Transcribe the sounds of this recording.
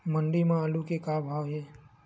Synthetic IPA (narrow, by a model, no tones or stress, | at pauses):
məɳɖimãalukekabʱaːʋɦeː